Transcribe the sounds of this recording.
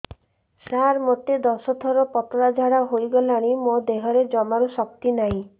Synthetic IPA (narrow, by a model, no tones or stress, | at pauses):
saɾmot̪ed̪ɔsɔt̪ʰɔɾɔpɔt̪ɔɾad͡ʒʱaɽaɦojɡɔlaɽ̃imod̪eɦɔɾed͡ʒɔmaɾusɔk̚t̪inaɦĩ